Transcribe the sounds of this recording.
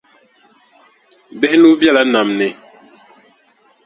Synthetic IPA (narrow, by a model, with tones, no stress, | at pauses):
bɛ˦nu˦bja˦˨la˨˦na˨mnɛ˨